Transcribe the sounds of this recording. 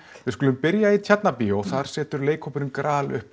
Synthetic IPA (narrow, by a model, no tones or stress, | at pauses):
vɪðskʏːlʏmpɪɾjait̪ʰjɛt̪napiɔɣθaɾ̥sɛːt̪ʏɾleːjkʰopʏɾɪnkɾaːlʏ̰hp